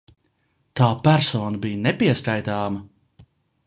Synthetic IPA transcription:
t̪aːpæɾsɔːnɐbijnɛpiɛskajt̪aːmɐ

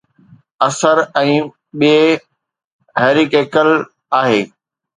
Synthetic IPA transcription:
ɐsəɾɛ̃ː | ɓie | ɦɛːɾikeːkəl | aːɦeː

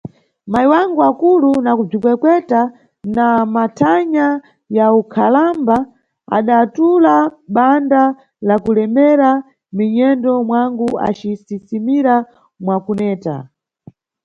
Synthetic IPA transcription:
maiwaŋɡuakulunakub͡ʐikwɛkwɛta | namatʰaɲa | jaukʰalamba | a̰ɗatulaɓanda | lakulɛmɛɾa | miɲɛndɔmwaŋɡua̰t͡ʃisisimiɾa | mwakunɛːta̰

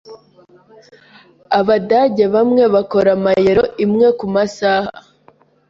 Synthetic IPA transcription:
aβadaɟe̞βamŋe̞βako̞ɾamajeɾo̞ʔimŋe̞kumasaːha̰

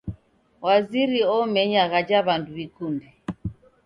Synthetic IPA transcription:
waziɾiɔmɛɲaɣad͡ʒaβanduβikundi

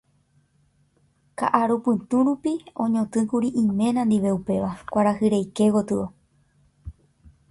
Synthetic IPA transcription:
ka̰ʔaɾupɨ̃t̪ũɾupiõ̞̰ɲõt̪ɨ̃kuɾiʔĩmẽ̞ɾ̃ãnd̪iʋe̞upe̞ʋakʷaɾahɨɾejke̞ɡo̞t̪ɨo

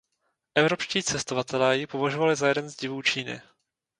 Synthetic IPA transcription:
ʔɛvɾo̞pʃciːt͡sɛst̪o̞vat̪ɛlɛːjɪpo̞vaʒovalɪzajɛdɛnzɟɪvuːt͡ʃiːnɪ̰

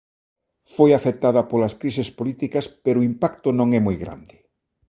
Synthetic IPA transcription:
fojafet̪aðɐpolɐskɾisespolit̪ikɐspɛɾoʊimpakt̪ʊnõŋɛmojɣɾa̰nd̪ɪ

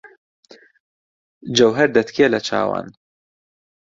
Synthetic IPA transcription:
d͡ʒɐwɦɛɾd̪ɐt̪keːlɐt͡ʃa̰ːwa̰n

